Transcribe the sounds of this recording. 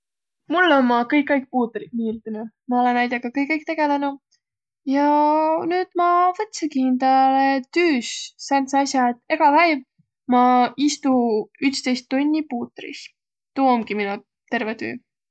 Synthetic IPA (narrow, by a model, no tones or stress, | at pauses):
mulːonmɑkɤjkˑːɑjk̚ˑpuːt̪ɾit̪̚niːld̪inu | mɑo̞lenːæjd̪̥ʲeɡ̥ɑkɤjkːˑɤjk̚t̪e̞ɡ̥e̞lenu | jɑnyːd̪̥mɑvɤt̪ːsekint̪ɑlet̪yːssɑnseɑsjɑet̪ːe̞ɡ̥ɑvæjv | mɑist̪uyt̪st̪ejst̪ːunʲːipuːt̪ɾḭs | t̪uːomɡ̥iminu | t̪e̞rvet̪y̰ː